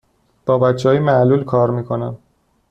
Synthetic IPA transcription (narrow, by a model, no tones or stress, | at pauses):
b̥ɒːbætt͡ʃʰːɛɒːjimæʔluːlkʰɒːɾmiːkʰo̞næn